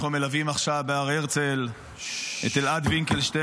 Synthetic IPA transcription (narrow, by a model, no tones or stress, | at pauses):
χnumelavimaχʃavbeaʁeʁt͡sel | ḛt̪elad̪viŋkelʃt̪e